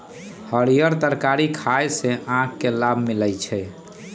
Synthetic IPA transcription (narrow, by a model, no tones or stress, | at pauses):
həɽijəɾt̪əɾkaɾikʰajsẽãkːelabʱmiləjt͡ʃʰɛ